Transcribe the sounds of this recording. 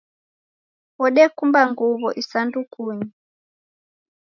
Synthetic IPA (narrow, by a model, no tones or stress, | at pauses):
wɔɗɛkumbaŋɡuβɔʔisandukʰuɲi